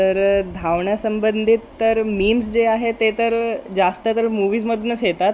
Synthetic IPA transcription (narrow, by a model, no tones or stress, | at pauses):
t̪əɾd̪ʱaʋɳjasəmbənd̪ʱit̪ːəɾmiːmsd͡zeaɦet̪et̪əɾd͡zast̪ət̪əɾmuʋiːsməd̪nəsɦet̪at̪